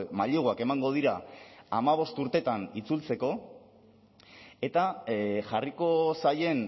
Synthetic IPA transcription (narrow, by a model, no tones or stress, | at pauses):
maʎoɣoake̞maŋɡo̞ð̞iɾaːmaβ̞o̞st̪uɾt̪e̞t̪anit͡sult͡se̞ko̞ | e̞t̪aʝariko̞saje̞n